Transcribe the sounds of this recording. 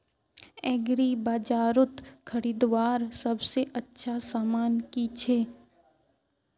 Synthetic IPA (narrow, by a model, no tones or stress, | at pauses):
ɛːɡɾibaːd͡ʒaːɾʊt̪kʰɐɾiːd̪ʋaːɾsɐbseʔɐtːʃʰasaːmaːnkit͡ʃʰeː